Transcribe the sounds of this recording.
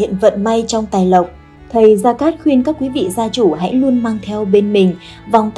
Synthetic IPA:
ḭ˧˨ənvə̰˧˨nma˧jt͡ɕɔ˧wŋ͡mt̪aː˨˩jlə˨˩wk͡p̚ | t̪ʰə˨˩jzaː˧kaː˦˥t̚xwi˧ənkaː˦˥kːwi˨˦vḭ˧˨zaː˧t͡ɕu˧˩ɦa̰˧˥jlu˧ənmaː˧ŋt̪ʰɛ˧wɓe˧nmï˨˩ŋ̟ | va˨˩wŋ͡mt̪

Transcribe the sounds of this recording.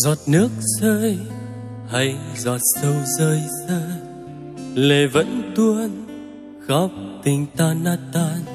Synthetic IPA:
zɔ˨˩t̚nɨ˦˥ək̚səː˧j | ha˧jzɔː˨˩t̚sə˧wzəː˧jzəː˧ | le˨˩və̰˧˥nt̪u˧ən | ɣɔ˦˥wp̚t̪ï˨˩ŋ̟t̪aː˧naː˧˥t̪aː˧n

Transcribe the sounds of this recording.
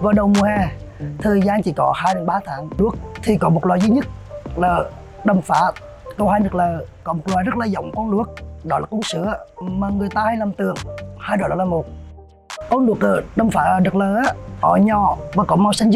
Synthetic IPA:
vaː˨˩ɗə˨˩wmu˨˩əhɛ˧˩t̪ʰəː˨˩jzaː˧nt͡ɕḭ˧˦kɔ̰˨˦haː˧jɗə˨˦nɓaː˧˦t̪ʰaː˨˦ŋlu˦˥ək̚t̪ʰi˨˩kɔ˨˦mo˨˩t̚laː˨˩jzɨː˨˦ɲɨ˦˥t̚laː˨˩ | ɗə˨˧˩mfa̰ː˧˩˥ | kə˧whaː˧jɗɨ˨˩ək̚ləː˨˩kɔ˨˦mo˨˩t̚lwaː˨˩jzə˦˥t̚laː˨˩zə̰˧˦wŋ͡mkɔ˧nlu˧˩ək̚ɗɔ˨˦laː˨˩ku˧əŋsɨ̰˧˦əmaː˨˩ŋɨ˨˩əjt̪aː˧ha˧jlaː˨˩mt̪ɨ˨˩˨əŋhaː˧jɗɔ˨˩ɗɔ˨˦laː˨˩mo˨˩t̚ | kɔ˨˦nlu˨˩ək̚əː˨˩ɗə˨˧˩mfaː˨˦˨ɗɨ˨ək̚ləː˨˩ʔaː˨˧˦ʔɔ̰˧˩ɲɔ˨˩vaː˨˩kɔ˨˦ma˧wsa˧ŋ̟z

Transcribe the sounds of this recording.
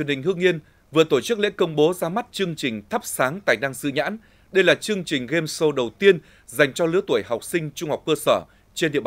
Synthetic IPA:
ənhï˨˩ŋ̟hɨ˧əŋːi˧ən | vɨ˨˩ət̪o˧˩t͡ɕɨ˦˥k̚lḛ˧˥kə˧wŋ͡mɓo˨˦zaː˧ma˦˥t̚t͡ɕɨ˧əŋt͡ɕï˨˩ŋ̟t̪ʰə˦˥p̚saː˨˦ŋt̪a̰ː˨˩jna˧ŋsɨ̰˧˨ɲa̰ː˧˥n | ɗə˧jlaː˨˩t͡ɕɨ˧əŋt͡ɕï˨˩ŋ̟ɣe˧mso˧ɗə˨˩wt̪i˧ən | za˨˩jŋ̟t͡ɕɔ˧lɨ˨˦ət̪u˧˩əjɦa˨˩wk͡p̚sï˧ŋ̟t͡ɕʊ˧ŋ͡mha˨˩wk͡p̚kəː˧səː˧˩ | t͡ɕe˧nɗḭ˧˨əɓa˨˩

